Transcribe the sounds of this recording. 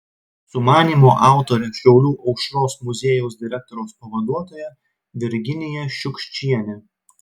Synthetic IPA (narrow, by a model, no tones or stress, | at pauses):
sʊmɑːnʲiːmoːʔɑˑʊt̪oːɾʲɛʃʲɛʊlʲuːʔɒʊkʃɾoːsmʊzʲeːjɛʊsd̪ʲɪɾʲɛk̚t̪ɔɾʲɛʊspɐʋɐd̪uɔt̪oːjɛ | ʋʲɪɾʲɡʲɪnʲɪjɛʃʲʊkʃʲt͡ʃʲiɛnʲɛ